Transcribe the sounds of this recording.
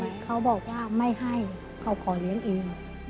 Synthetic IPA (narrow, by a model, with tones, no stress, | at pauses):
kʰa˧˥˩wbɔː˨˩k̚waː˧˥˩ma˥˩jɦa˧˥˩j | kʰa˧˥˩wkʰɔː˨˩˦li˨˦ənʔeː˧ŋ